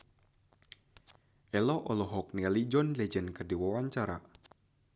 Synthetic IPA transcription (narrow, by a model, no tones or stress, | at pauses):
ʔɛlɔʔɔlɔɦɔk̚nialid͡ʒɔnlɛd͡ʒɛnkɨrdiwawaɲt͡ʃaɾa̰